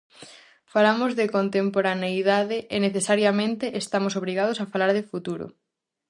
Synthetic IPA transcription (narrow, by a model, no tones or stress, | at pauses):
falamozðekont̪empoɾanejðaðeʔeneθesaɾjamẽnt̪eʔest̪amosoβɾiɣað̞oʊsafalaɾðefut̪uɾʊ̰